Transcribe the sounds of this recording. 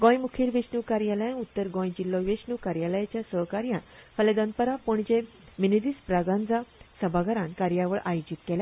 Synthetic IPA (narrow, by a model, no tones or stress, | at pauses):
ɡõjmukʰiːɾʋesnukaɾjaləjãnut̪ːəɾɡɔ̃jd͡ʑilːɔʋeɕɳukaɾjaləjat͡ɕjasəɦkaɾjãnfəlɛd̪ənpəɾapuɳd͡ʑẽ | ʋinid̪iːspɾaɡãnd͡zasəbʱaɡaɾãnkaɾjaʋəɭʔajod͡ʑit̪̚kɛla